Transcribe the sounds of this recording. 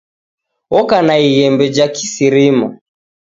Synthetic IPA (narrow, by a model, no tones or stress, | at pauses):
ɔkanaiɣɛmbɛd͡ʒakisiɾima